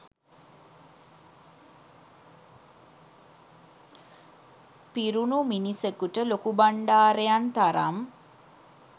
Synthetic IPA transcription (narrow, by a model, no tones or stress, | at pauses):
piɾunuminisekuʈəlokubaɳɖaːɾejant̪aɾa̰m